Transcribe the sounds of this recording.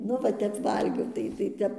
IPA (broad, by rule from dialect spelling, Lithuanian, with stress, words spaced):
ˈnʊ ʋɐ ˈtʲɛp ˈʋɐlʲɡʲɛʊ ˈtɐɪ tɐɪ ˈtʲɛp